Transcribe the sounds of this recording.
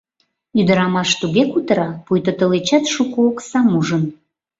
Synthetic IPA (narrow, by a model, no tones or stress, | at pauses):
yd̪əɾɑmɑʃt̪uɣekut̪əɾɑpujt̪ət̪əlet͡ɕɑt̪ʃukooksɑmuʒən